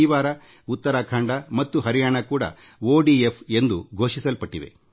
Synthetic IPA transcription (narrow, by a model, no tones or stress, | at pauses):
iːʋaːɾɐ | ut̪ːɐɾaːkʰaːɳɖɐmɐt̪ːuɦɐɾijaːɳɐkuːɽɐ̰oːɖiepʰe̞nd̪uɡʱo̞ːʂisɐlpɐʈːiʋe̞̰